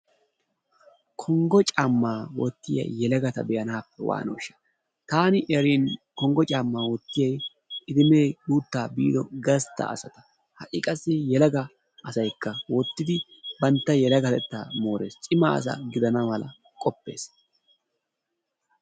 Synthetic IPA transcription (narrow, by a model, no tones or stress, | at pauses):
kʰɔŋɡɔt͡ʃʼamːaːwɔ̰t̪ːɪjɐ̰jɛlɐɡɐt̪ɐbɛjɐnaːpːɛwa̰ːno̰ːʃːɐ̥ | t̪aːnɪʔɾiːnkɔŋɡɔt͡ʃʼaːmːaːwɔt̪ːɪjɐj | ɪd̪ɪme̞ːbuːt̪ːaːbḭːd̪ɔɡɐst̪ːɐ̰ːsɐt̪ɐ̥ | hɐʔʼɪkʼɐsːɪjɛlɐɡɐ | ʔɐsɐjkːɐwɔt̪ːɪd̪ɪbɐnt̪ːɐjɛlɐɡɐt̪ɛt̪ːa̰ːmo̞ːɾeːst͡ʃʼɪma̰ɐ̰s̬ɐ̰ɡɪd̪ɐnɐmɐlɐ̰ | kʼɔpːe̞̰ːs